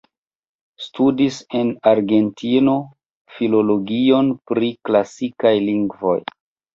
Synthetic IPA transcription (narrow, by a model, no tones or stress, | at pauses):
studise̞naɾɡe̞ntino̞ | filo̞lo̞ɡio̞npɾiklasikajliŋɡvo̞̰j